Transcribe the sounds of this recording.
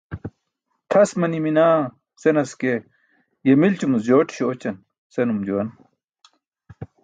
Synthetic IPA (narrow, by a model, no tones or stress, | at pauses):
t̪ʰɐsmɐniminaː | senɐske | jemilt͡ɕumusd͡ʑoːʈi̥ɕoot͡ɕɐn | senumd͡ʑuwɐn